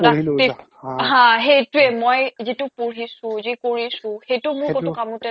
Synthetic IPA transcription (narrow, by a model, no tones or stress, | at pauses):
dai | ɦãɦejtuɛmojzitupuɹɦisũzikoɹisʊ̃xejtʊmuɹkotɔkamũtɛ